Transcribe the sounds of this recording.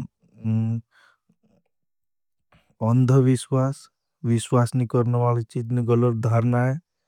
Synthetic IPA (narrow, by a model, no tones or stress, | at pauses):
ɔnd̪ʱəʋiswas | ʋiswasnikɔɾnɔʋalit͡ʃit̪niɡʌlət̪̚d̪ʱaɾnae